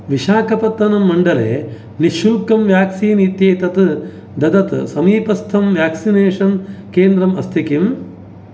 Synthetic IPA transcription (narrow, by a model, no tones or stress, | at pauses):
ʋiʃaːkɐpɐt̪ːɐnɐmːɐɳɖɐlḛː | niʃulkɐmʋjaːksiːnit̪jeːt̪ɐt̪ɨ | d̪ɐd̪ɐt̪sɐmiːpɐst̪ʰɐmʋjaːksineːʂɐnkeːnd̪ɾɐmɐst̪ʰikim